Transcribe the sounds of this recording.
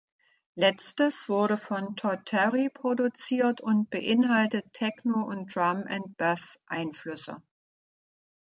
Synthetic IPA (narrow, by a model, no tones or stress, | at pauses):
lɛt͡stəsv̥ʊɐɾəfɔntʰɔtʰɛʁipʁ̥odut͡siːɐtʰʊnt̚b̥əʔɪnɦaltətʰːɛknoʊntd̥ʁamʔɛ̰nt̚b̥asʔaɪnflʏsə̰